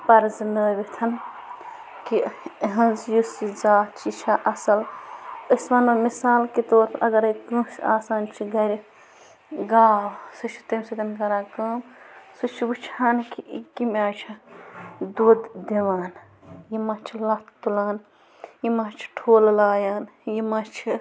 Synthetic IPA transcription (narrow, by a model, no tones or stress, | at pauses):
pɐɾznəːbit̪ʰɐn | kiɦɐ̃nzjusizaːtt͡ʃʰit͡ʃʰaʔɐsɐləsʋɐnomisaːlkit̪oːɾpʰɐɾʔɐɡɐɾɐkə̃sa̰ːsaːnt͡ʃʰiɡɐɾʲi | ɡaːwsɨt͡ʃʰi̥t̪ɐmsɐt̪ʲɐnɡɐɾãːkɐːmsɨt͡ʃʰibut͡ʃʰaːnkikimʲaːt͡ʃʰɐ | d̪uːd̪d̪iʋaːn | jimɐt͡ʃʰilɐt̪t̪ulaːn | jimɐt͡ʃʰʈʰoːllaːjaːnjimɐt͡ʃʰi